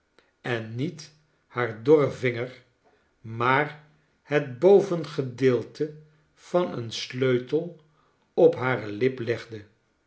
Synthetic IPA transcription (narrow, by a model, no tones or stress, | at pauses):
ɛnːit | haːɹdɔrəvɪŋəɹ | maːr | hət̚bowvənχədɪːlˠtʰə | v̥ɑnə̰nsløɥtəlˠ | ɔpɦaːrəlɪplɛχdə